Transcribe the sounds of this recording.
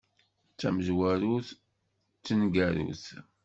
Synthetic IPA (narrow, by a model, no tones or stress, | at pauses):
t͡sːæməʒwæɾuθ | t͡sːənɡæɾṵθ